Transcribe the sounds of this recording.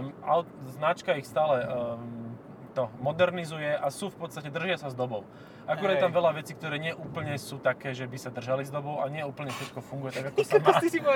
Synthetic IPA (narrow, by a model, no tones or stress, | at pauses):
a | znat͡ʃkaixst̪aːlɛ | t̪ɔmɔd̪ɛɾnizujɛʔasuːfpɔt̪t͡sst̪acɛd̪r̩ʒɪasazd̪ɔbɔʊ | ʔakuɾad̪̚t̪amʋɛlaʋɛt͡siːk̚t̪ɔɾɛːɲɪɛʔuːpl̩ɲɛsuːt̪akɛːʒɛbisad̪r̩ʒalizd̪ɔbɔʊaɲɪɛuːpl̩ɲɛfʃɛt̪kɔfuŋɡujɛt̪aɡakɔsama